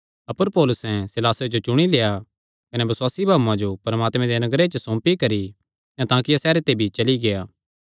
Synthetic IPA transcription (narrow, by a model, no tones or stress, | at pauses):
ɐpəɾpɔːlʊsɛ̃sɪlaːsod͡ʒot͡ʃʊɽ̃ileːja | kɐnebɐswaːsibʱaːʋuãd͡ʒopɐɾɐmaːt̪mɛ̃d̪enɐɡɾet͡ʃəsõːmpikɐɾi | jãt̪ãːkijasɛːɾet̪ebʱit͡ʃɐliɡejaː